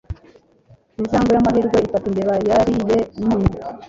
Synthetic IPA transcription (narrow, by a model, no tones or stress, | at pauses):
inzaːŋɡojamaɦiɾɡweitatundeβajaɾijenuːnu